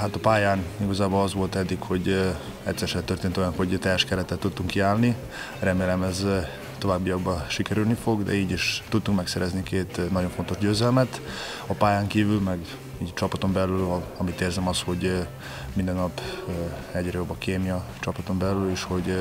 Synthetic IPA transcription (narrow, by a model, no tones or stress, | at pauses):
ɦat̪ɒpaːjaːniɡɒzaːbolɒzʋo̞lt̪ɛd̪ːikho̞ɟ | ɛ̰ct̪sɛɾʃɛt̪ørt̪eːnt̪ojɒnho̞ɟt̪ɛʃkɛɾɛt̪ɛt̪ːut̪ːuŋkːiaːlni | rɛmeːlɛmɛz | t̪o̞vaːbːijɒɡbɒʃikɛɾylnifo̞ɡd̪ɛ̰iːɟiʃt̪ut̪ːuŋkmɛksɛɾɛznikeːt̪nɒɟo̞ɱfo̞nt̪o̞ʒɟøːzɛlmɛt̪ | ɒpaːjaːŋkiːvylmɛɡ | iːɟt͡ʃɒpɒt̪o̞mbɛlylɒmit̪eːrzɛmɒsho̞ɟ | mind̪ɛnːɒp | ɛɟrɛjo̞bːɒkeːmijɒt͡ʃɒpɒt̪o̞mbɛlyleːʃho̞ɟ